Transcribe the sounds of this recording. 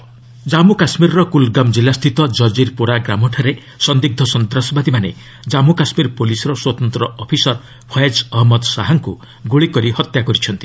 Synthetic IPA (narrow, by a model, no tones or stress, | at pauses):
d͡ʒamukasmiɾɔɾɔkulɡamd͡ʒilast̪ʰit̪ɔd͡ʒɔd͡ʒiɾpuɾaɡɾamɔʈʰaɾe | sɔnd̪iɡ̚d̪ʱɔsɔnd̪ɾɔsɔbad̪imanḛ | d͡ʒamukasmiɾpolisɔɾɔswɔt̪ɔnt̪ɾɔɔpʰisɔɾ | pʰɔjad͡ʒɔɦɔmɔd̪saɦaŋku | ɡuɭikɔɾihɔt̪jakɔɾit͡ʃʰɔnt̪i